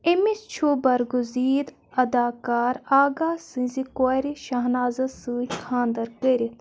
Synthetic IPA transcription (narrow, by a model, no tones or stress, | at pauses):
emist͡ʃʰuːbɐɾɡuziːd̪ | ɐd̪aːkaːɾaːɡaːsɨ̃zikoɾiʃɐɦnaːzɐsɨːikʰãːnd̪ɐɾkəɾʲi